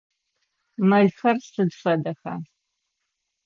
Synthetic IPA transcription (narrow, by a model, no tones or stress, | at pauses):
mɐjxɐrsɨdfɐdɐxa̰